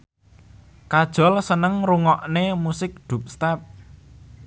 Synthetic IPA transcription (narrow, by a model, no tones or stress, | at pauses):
kad̥ʒ̥ɔ̤lsənəŋruŋɔʔnemusɪk̚ɖ̪̥ṳp̚st̪ɛp̚